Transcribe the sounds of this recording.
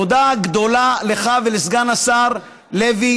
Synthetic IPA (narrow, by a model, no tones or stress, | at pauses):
od̪aɡd̪o̞laleχavelesɡanasaʁ | levi